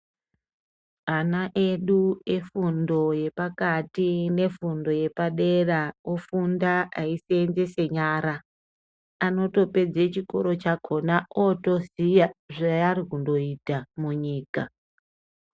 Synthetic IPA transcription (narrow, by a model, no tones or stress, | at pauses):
anaʔe̞ɗue̞fundo̞je̞pakatine̞fundo̞je̞paɗe̞raofundaaisenze̞se̞ɲaɾa | ano̞to̞pe̞d͡zet͡ʃiko̞̰ɾo̞t͡ʃakʰo̞naʔoto̞sijaʐaarikundo̞itamuɲiːka